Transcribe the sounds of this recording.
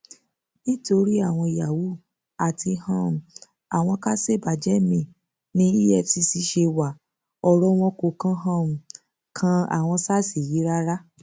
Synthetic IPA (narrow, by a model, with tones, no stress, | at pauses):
nĩ˦to˧ɾi˦a˦˨w̃ɔ̃˧˨ja˨wu˨˦ | a˨tʰi˧hã˦˨m̩˨ | a˨w̃ɔ̃˧ka˦se˦˨ba˨d͡ʒɛ˨˦mĩ˨ | nĩ˦i˦ɛ˦˨fsi˧si˧˦ʃe˧wa˨ | ɔ˧ɾɔ˦w̃ɔ̃˦ko˧kã˦ɦã˦ũ˨ | kʰã˧˦a̰˨w̃ɔ̃˧sa˦˨si˨ji˨˦ɾa˦ɾa˦